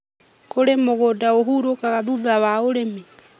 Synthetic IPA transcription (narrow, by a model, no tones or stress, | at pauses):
koɾemoɣoːdaoɦuːɾokaɣaðuðawaoɾeme